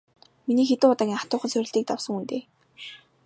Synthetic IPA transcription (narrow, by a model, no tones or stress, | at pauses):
miniːxet̪ɘ̆ŋʊt̪aːkʲiːŋχḁt̪ʊːχə̆nsœɾʲɪ̆ɮt̪iːk̚t̪awsə̆ŋunt̪eː